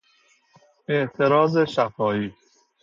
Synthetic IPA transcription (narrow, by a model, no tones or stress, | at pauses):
e̞ʔt̪ʰe̞ɾɒːzeʃæfɒːiː